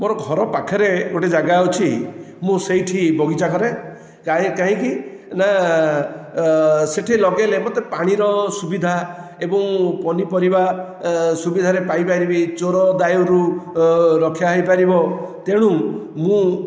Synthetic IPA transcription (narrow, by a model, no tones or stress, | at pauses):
moɾɔɡʱɔɾɔpakʰɔɾeɡoʈed͡ʒaɡaut͡ʃʰi | mũsejʈʰibɔɡit͡ʃakɔɾe | aĩkaɦĩki | na | seʈʰilɔɡelemot̪epaɽ̃iɾɔsubid̪ʱaebɔ̃ŋpɔnipɔɾiba | subid̪ʱaɾepajpaɾibit͡ʃoɾɔd̪ajuɾu | ɾɔkʰjaɦɔjpaɾibɔt̪eɽ̃ũ | mũ